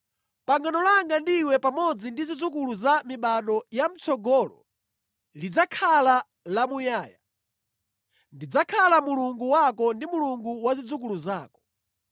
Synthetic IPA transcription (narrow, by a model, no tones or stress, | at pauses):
paŋɡanɔlaŋɡandiwɛpamɔd͡zindizid͡zukuluzamiɓaɗɔjam̩t͡sɔɡɔlɔ̰ | lid͡zakʰala | lamujaːja̰ | ndid͡zakʰalamuluŋɡuwakɔndimuluŋɡuwazid͡zuk̬uluzaːkɔ̥